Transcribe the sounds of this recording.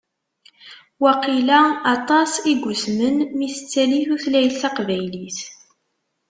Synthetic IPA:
wæqilæːt̪ˤɑsˤiɡʷʊsmənmiθə̥t͡sːæliθuθlæjəlθɑqvæjliθ

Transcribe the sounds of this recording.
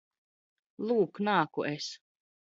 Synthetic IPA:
lˠuːknaːkuʔes

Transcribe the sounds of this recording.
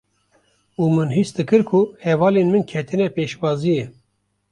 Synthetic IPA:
uːmɨnɦis̚d̪ɨkɨɾkʰuhɛvɑːlenmɨnkʰɛt̪ʰɨnɛpeːʃwɑːzijɛ

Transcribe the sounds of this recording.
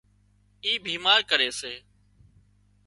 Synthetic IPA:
iːbʱiːmaːɾkəɾeːseː

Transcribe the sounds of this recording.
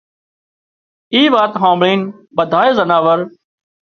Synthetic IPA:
iːʋaːt̪ɦãːmɭiːnɓəd̪ʱaːeːzənaːʋəɾ

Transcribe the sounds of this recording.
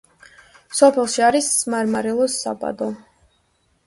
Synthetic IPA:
sɔpʰɛlˠʃiaɾisːmaɾmaɾilˠɔsːa̰pʼa̰d̪ɔ

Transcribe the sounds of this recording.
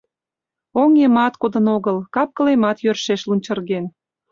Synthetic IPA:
oŋemɑt̪kod̪ənoɣəlkɑp̚kə̆lemɑt̪jørʃeʃlunt͡ɕərɣen

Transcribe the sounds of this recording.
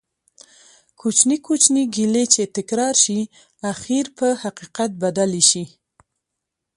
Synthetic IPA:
kʰut͡ʃnikut͡ʃniɡilet͡ʃet̪ɪkɾɑɾʃi | axiɾpəhaqiqat̪̚bad̪aliʃi

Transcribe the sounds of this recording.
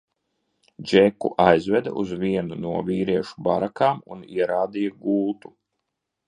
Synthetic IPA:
d͡ʒɛkṵʔajzvɛd̪aṵzviɛnunuɔviːɾiɛʃu̥baɾakaːmṵniɛɾaːd̪ijaɡuːlˠt̪u

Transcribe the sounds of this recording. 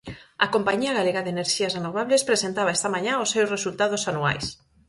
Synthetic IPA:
ɐkompaɲiaɣaleɣaðeneɾʃiazrenoβaβlespɾesent̪aβaɛst̪amãɲãosːewzresult̪aðosanua̰js

